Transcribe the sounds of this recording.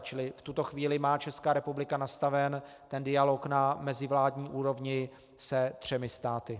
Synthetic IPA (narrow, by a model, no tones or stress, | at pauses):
t͡ʃɪlɪft̪ut̪o̞xviːlɪmaːt͡ʃɛskaːɾɛpublɪkanast̪avɛn | t̪ɛndɪjaloknamɛzɪvlaːdɲiːʔuːɾo̞vɲɪ | sɛt̪r̝̥ɛmɪst̪aːt̪ɪ